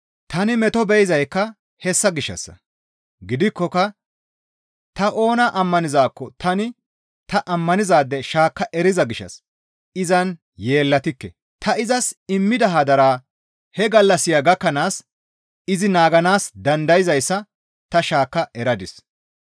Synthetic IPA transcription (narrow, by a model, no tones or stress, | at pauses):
t̪ɐnɪmɛt̪ɔbɛjɪzɐjkːɐ | hɛsːɐɡɪʃːɐ̰sːɐ̰ | ɡɪd̪ɪkːɔkɐ | t̪ɐʔo̞ːnɐʔɐmːɐnɪzaːkːɔt̪ɐnɪ | t̪ɐʔɐmːɐnɪzaːd̪ːɛʃaːkːɐʔɛɾɪzɐɡɪʃːɐ̰s | ɪzɐn | je̞ːlːɐt̪ɪkːɛ | t̪ɐɪzɐsɪmːɪd̪ɐɦɐd̪ɐɾaː | hɛɡɐlːɐsɪjaɡɐkːɐnaːs | ɪzɪnaːɡɐnaːsd̪ɐnd̪ɐjɪzɐjsːɐ | t̪ɐʃaːkːɐʔɛɾɐd̪ɪs